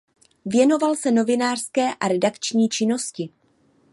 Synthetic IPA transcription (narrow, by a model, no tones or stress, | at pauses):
vjɛno̞valsɛno̞vɪnaːr̥skɛːʔaɾɛdakt͡ʃɲiːt͡ʃɪno̞scɪ